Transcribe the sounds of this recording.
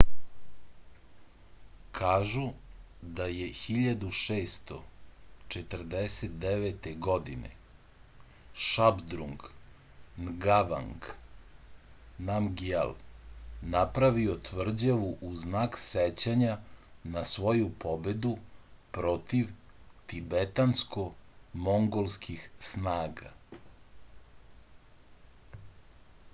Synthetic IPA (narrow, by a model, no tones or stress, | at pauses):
kʰaːʒu | d̪ajexiʎad̪uʃeːst̪ot͡ʃet̪r̩d̪eset̪̚d̪eʋet̪eɡod̪inḛ | ʃabd̪ɾuŋɡ | nɡaʋa̰ŋɡ | namɡia̰l | napɾaʋiot̪ʋr̩d͡ʑaʋuʔuznakset͡ɕaɲanasʋo̞jupo̞bed̪upɾo̞t̪iʋ | t̪ibet̪ansko̞mo̞ŋɡo̞lskʰixsnaːɡa̰